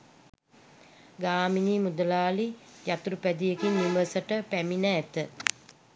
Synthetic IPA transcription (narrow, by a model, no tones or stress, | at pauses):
ɡaːminimud̪əlaːlijat̪uɾupæd̪ijekinːiməsəʈəpæminəːt̪ə